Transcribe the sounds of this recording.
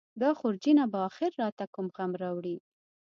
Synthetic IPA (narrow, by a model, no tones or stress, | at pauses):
d̪ɑxʊɾd͡ʒinabaːxɪɾːɑt̪akʊmɣamɾɑwɽi